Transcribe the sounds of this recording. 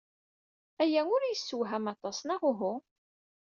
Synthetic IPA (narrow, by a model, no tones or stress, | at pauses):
æjæʊɾjəsːəwɦæmɑt̪ˤɑsnɑʁʊɦʊ